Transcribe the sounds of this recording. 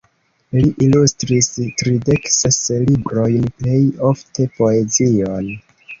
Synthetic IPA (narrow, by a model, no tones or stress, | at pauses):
liʔilustɾistɾide̞kseslibɾo̞jnple̞jo̞ftʰe̞po̞e̞zion